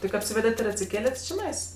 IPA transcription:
tʲɪk ɐpʲˈsʲiːʋʲɛdʲɛtʲ ɪr ɐtʲsʲɪˈkʲeːlʲɛtʲ t͡ʃʲɪˈnɐɪs

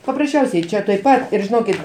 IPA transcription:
pɐprɐsʲˈt͡ʃʲɛʊsʲɛɪ t͡ʃʲɛ tuɔj ˈpɐt ˈɪr ʒʲɪˈnoːkʲɪt

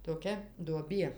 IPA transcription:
toːˈkʲɛ duɔˈbʲiɛ

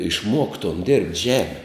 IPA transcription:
ɪʃˈmuɔktoːm dʲɛrʲpʲtʲ ˈʒʲæːmʲɪ

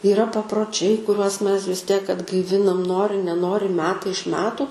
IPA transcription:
iːˈrɐ pɐproːˈt͡ʃʲɛɪ kʊˈrʲuɔs ˈmʲɛs ʋʲɪs ˈtʲiɛk ɐdɡɐɪˈʋʲɪnɐm ˈnoːrʲɪ nʲɛˈnoːrʲɪ ˈmʲæːtɐɪ ɪʃ ˈmʲæːtʊ

